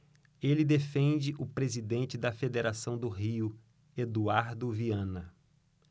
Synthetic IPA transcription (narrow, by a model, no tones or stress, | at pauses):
elɪd̪efẽnd͡ʒɪʔʊpɾezid̪ẽnt͡ʃɪd̪ɐfed̪eɾasɐ̃w̃d̪ʊɦiʊ | ed̪uaɾd̪ʊviɐ̃nɐ